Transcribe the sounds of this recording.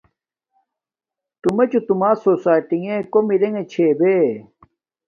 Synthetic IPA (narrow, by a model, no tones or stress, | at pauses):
t̪umet͡ɕut̪umaːsoːsaːjʈiŋekomiɾeŋet͡ɕʰeːbe